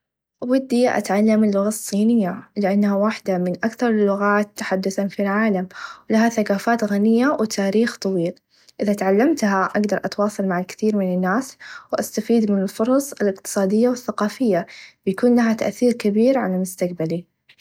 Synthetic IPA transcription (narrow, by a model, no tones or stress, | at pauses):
wɪd̪ːiʔa̰t̪ʕalːamɪlːʊɣasˤːiːnɪjːalɪʔanːhawaħd̪amɪnʔakθɑɾˤlːʊɣaːt̪ːaħad̪ːʊθanfilʕaːlamwlahaθakaːfaːt̪ɣanɪjːawt̪ʰaːɾiːxt̪ˤɑwiːl | ʔɪðat̪ʕalːamt̪haʔaɡd̪ɑɾˤʔɑt̪wɑːsˤɑlmaʕalkɪ̥θiːɾmɪnɪnːaːswʔast̪afiːd̪mɪnɪlfʊɾˤɑsˤɪlɪqt̪ɨ̥sˤɑːd̪ɪjːawɪθːaqɑːfɪjːabɪjakuːnlaɦat̪a̰ʔθiːɾkabiːɾʕalamʊst̪aq̚bali